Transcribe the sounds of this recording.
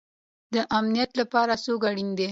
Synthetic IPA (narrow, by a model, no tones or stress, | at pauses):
d̪əʔamnijat̪lapɑɾasoɡaɽind̪e